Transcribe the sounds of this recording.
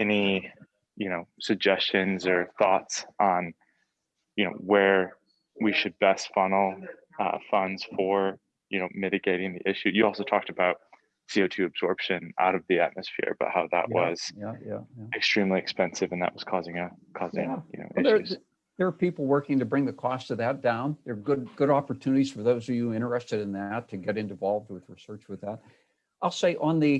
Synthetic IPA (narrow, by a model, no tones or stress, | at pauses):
ɛni | jɨnoʊsɨɡ̚d͡ʒɛst͡ʃɨ̃nzə˞θɔ̰tsn̩ | jɨnoʊwə˞ | wiʃɨd̚bɛstfʌ̃nl̩ˠ | ʌ̰fʌ̃ndz̥fə˞ | jɨnoʊmɪɾɨɡeɪɾɪ̃ŋðḭʔɪʃʉjɨɔlˠsoʊtʰɔk̚tɨbaʊt̚ | sioʊtʰʉɨbz̥ɔɹpʃɨ̃nʔa̰ʊɾʌvðiæ̰t̚mɨsfɪ̰ɹb̥ʌ̰t̚haʊðə̰ʔwʌz̥jæjæ̰jæɨkstɹ̥ĩmliɨkspɛ̃nsɨvɨ̃nðə̰ʔ̚wʌz̥kʰɔzɪ̃ŋɨkʰɔzɪ̰̃ŋjɨno̰ʊʔʌɪðʉz̥ | ðə˞pipl̩ˠwɜ˞kɪ̃ŋtɨbɹɪ̃ŋðɨkʰɔstʰɨðɨt̚d̥ãʊ̃nðə˞ɡʊd̚ɡ̥ʊɾɑpə˞tʰʉnɨɾiz̥fə˞ðoʊzʌvjɨɪ̃ɾ̃ə˞ɛstɨɾɨ̃nðætʰɨɡɛɾɨ̃nɨvɑlˠvd̚wɨð̥ɹisɜ˞t͡ʃwɨðæt̚ | ʔaɪlˠseɪʔə̃nðɨ